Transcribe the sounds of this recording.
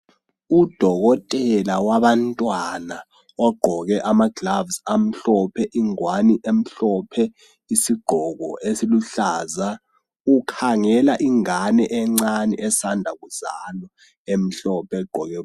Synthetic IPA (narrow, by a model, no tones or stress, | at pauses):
ud̥ʱɔɣɔtʼɛlawaɓantʼwana | ɔɡ͡ǃʱɔɣɛʔamaɡ̥lavsam̩ɬɔpʰɛʔiŋwaniʔem̩ɬɔpʰɛ | isiɡ͡ǃ̥ʱɔɣɔ̰ʔesiluɬaːza | ukʰaŋɛlaʔiŋanɛʔɛŋ͡ǀanɛ̰ʔɛsandʱakuzalɔ | em̩ɬɔpʰɛɡ͡ǃ̥ʱɔɣɛ